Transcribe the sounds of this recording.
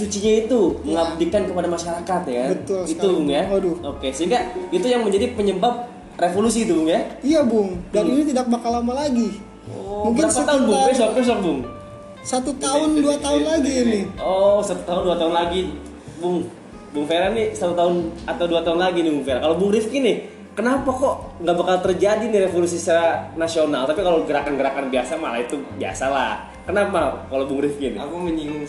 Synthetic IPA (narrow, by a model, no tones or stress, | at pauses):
sut͡ʃiɲait̪uməŋab̚dikankəpadamaʃaɾakat̪jabət̪ʊlit̪ubʊŋjadʊokesəɦiŋɡait̪ujaŋməɲd͡ʒadipəɲəbap̚ | refolus̬iːt̪ubʊŋjaijabʊŋdaninit̪̬idak̚bakalamalaɡi | ɔmuŋkɪnst̪aʊnbʊŋesɔk̚pɛs̬ɔk̚bʊŋ | sat̪ut̪aʊnduat̪aʊnlaɡiːnɪɔsat̪ut̪aʊnduat̪aʊnlaɡi | bʊŋ | bʊŋfeɾanɪsat̪ut̪aʊnat̪awduat̪aʊnlaɡinɪbʊŋfeɾakalobʊŋɾɪfkɪnɪ | kənapakɔŋɡaʔbəkalt̪ərd͡ʒadiniɾefolus̬isaɾanasionalt̪apikaloɡəɾakanɡəɾakanbiasama̰la̰it̪ubia̰sala | kənapakalobʊŋɾɪfkɪn̰akuməɲiŋŋ